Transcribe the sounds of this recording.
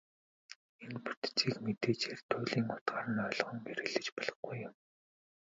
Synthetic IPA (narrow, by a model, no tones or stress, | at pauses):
enpu̥t̪t͡siːkmet̪eːt͡ɕeːrt̪ʰʊːɮiːŋʊt̪ɢaːɾə̆nœːɮɞ̆ʁə̆ŋpeɾɘ̆ɮɘ̆t͡ɕpɔɮʁɞ̆χɡujːʊm